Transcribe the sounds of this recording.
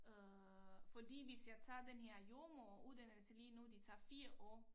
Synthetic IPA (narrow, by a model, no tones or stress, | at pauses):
ø | fɒd̥ḭːʋe̝sjɑ̈ɪt͡sʰɑ̰̈ːd̥enɦeɐ̰jo̝ːɐmɔʔuðˠd̥ænəlsəliːnud̥it͡sʰɑ̰̈ːfiːɐʔɔ̰ː